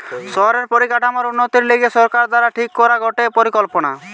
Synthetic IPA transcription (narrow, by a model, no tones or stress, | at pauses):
sɔɦɔɾeɾpɔɾikaʈʰamɔɾunːot̪iɾleɡesɔɾkaɾd̪waɾaʈʰikːɔɾaɡʱɔʈepɔɾikɔlpɔna̰